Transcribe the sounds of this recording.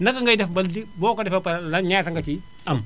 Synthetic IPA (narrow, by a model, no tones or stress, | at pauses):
nɐkɐŋɡɐjdɛfbɐldibɔːkɐdɛfɐpɐlɐɲaːtɐŋɡɐt͡ʃi | ɐm